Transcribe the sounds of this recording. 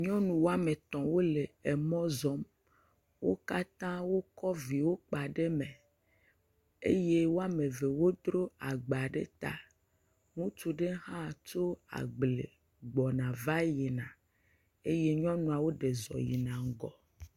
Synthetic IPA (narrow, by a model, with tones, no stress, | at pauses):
ɲɔ̃˦nũ˨wo˦a˦me˨t̪ɔ̃˨wo˦le˨e˨mɔ̃˦zɔ˦m | wo̰˦ka˦t̪ã˦wo˦kɔ˦vi˨wo˦k͡pa˨ɖe˦me˨ | ḛ˦je˦wo˦a˦me˨ve˨wo˦d̪ɾo˦a˨ɡ͡ba˨ɖḛ˦t̪a̰˦ | ŋũ˦t͡ʃu˨ɖe˦ɦã˦˨t͡ʃo˦a̰˨ɡ͡ble˨ | ɡ͡bɔ˨nã˨va˦ji˨nã˨ | e˦je˦ɲɔ̃˦nũ˨a˨wo˦ɖe˨zɔ̰˨jḭ˨nã˨ŋ˨ɡɔ˨